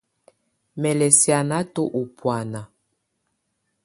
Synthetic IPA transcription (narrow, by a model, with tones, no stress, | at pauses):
mɛ˨lɛ˨sja˨na˦to˦ʔu˨pwa˨na˨